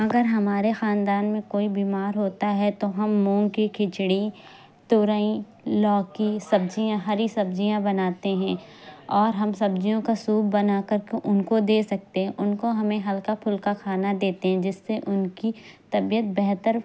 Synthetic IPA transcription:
ɐɡəɾɦɐmaːɾexaːnd̪aːnmẽkoːibiːmaːɾɦoːt̪aɦɛt̪oɦɐmːũːŋɡkikʰɪt͡ʃɽi | t̪ʊːɾaĩ | lɔːkisɐb̚d͡ʒijãɦɐɾisɐb̚d͡ʒijãbɐnaːt̪eɦɛ̃ː | ɔːɾɦɐmsɐbd͡ʒijõkasuːbːɐnakɐɾkeʔʊnkod̪eːsɐk̚t̪eɦɛ̃ʔʊnkoɦɐmẽɦɐlkapʰʊlkakʰaːnad̪eːt̪eɦɛ̃d͡ʒɪsːeʔʊnkit̪ɐbijət̪̚bɛɦt̪əɾ

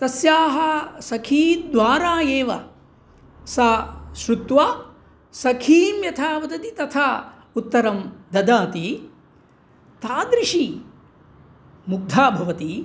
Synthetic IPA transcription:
t̪ɐsjaːɦɐsɐkʰiːt̪̚d̪ʋaːɾaːjeːʋɐ̰ | sɐʃɾut̪ʋa | sɐkʰiːmjɐt̪ʰaːʋɐd̪ɐt̪it̪ɐt̪ʰaː | ut̪ːɐɾɐmd̪ɐd̪aːt̪i | t̪aːd̪ɾɪʂi | muɡ̚d̪ʱaːbʱɐʋɐt̪i

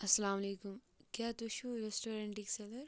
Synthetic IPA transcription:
ɐsɐlaːmɐleːkum | kjaːt̪uʃuɾesʈoːɾeɳʈikselɐɾ

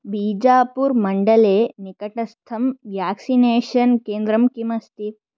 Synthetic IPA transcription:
biːd͡ʒaːpuɾmɐɳɖɐleːnikɐʈɐst̪ʰɐmʋjaːksineːʃɐnkeːnd̪ɾɐmkimɐst̪it̪

